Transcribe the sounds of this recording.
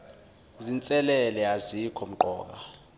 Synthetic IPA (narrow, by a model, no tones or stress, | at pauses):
zint͡sʼɛlɛlɛazikʰɔm̩ǃɔ̰ːk̬a